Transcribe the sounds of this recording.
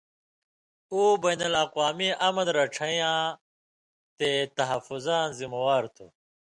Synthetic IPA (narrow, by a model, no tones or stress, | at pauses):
uːbɐjnɐlɐqwaːmiʔɐmɐnɾɐʈ͡ʂʰɐjãː | t̪et̪ɐɦɐfuzaːnzimɐwaːɾt̪ʰṵ